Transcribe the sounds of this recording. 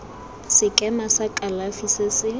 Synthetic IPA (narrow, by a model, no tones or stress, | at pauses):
sɪkʼɛmasakʼalafisasɪ